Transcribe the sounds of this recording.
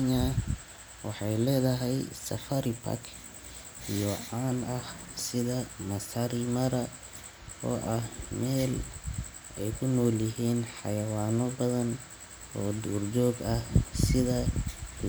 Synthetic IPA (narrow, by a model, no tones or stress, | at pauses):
ɲɐ | wɑħɑjlɛːðɐɦɛjsɐ̰fɐɾipʰɐ̰kʰ | ijɔʕaːnɐh | sɪðɐmɐsɐɾimɐɾɐ | ɔ̰ːʔɐhmɛːl | ɛjkʰʊnɔːljɪɦiːnħɑjɐwaːnɔbɐðɐn | ɔːd̪uːrd͡ʒɔːɡɐhsɪðɐ